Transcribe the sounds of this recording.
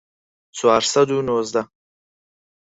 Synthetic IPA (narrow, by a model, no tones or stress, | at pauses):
t͡sʰoaɾsad̪unoːzd̪a